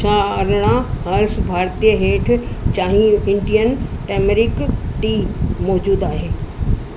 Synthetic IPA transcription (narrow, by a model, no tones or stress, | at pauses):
t͡ʃʰaːɐɾɽ̃ãɦɐɾsbʱaːɾt̪ijəɦeːʈʰt͡ɕaːɦĩɪ̃ɳɖijənʈɛːmeɾɪkʈiːmɔːd͡ʑuːd̪aːɦeː